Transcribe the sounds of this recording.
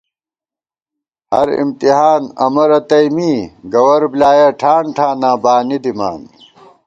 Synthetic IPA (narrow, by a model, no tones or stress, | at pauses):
hɐ̰ɾḭmt̪iɦaːnɐ̰mɐɾɐt̪ɐimiːɡɐwɐɾblaːjaʈʰaːɳʈʰaːnaːbaːnid̪ima̰ːn